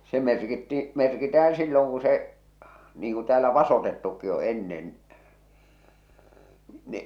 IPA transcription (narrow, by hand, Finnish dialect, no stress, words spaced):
se merkitːi merkitæh̞æ̃ː silːoŋ ku se niːŋ ku tæːlæ ʋɑsotetːukːi o enːen ni